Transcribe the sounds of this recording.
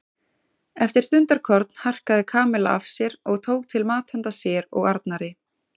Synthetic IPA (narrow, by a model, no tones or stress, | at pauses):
ɛft̪ɪɾ̥st̪ʏnt̪aɾ̥kʰɔɾt̪̚n̥har̥kaðɪkʰaːmɪla̰avsjɛɾɔɣt̪ʰoːwk̚t̪ʰɪlmaːt̪hɛnt̪asjɛɾɔ̰ɣaɾt̪naɾɪ